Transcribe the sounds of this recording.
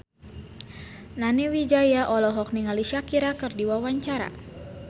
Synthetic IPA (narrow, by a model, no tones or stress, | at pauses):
naniwid͡ʒajaʔɔlɔɦɔk̚niŋaliʃakiɾakɨrdiwawaɲt͡ʃaɾa̰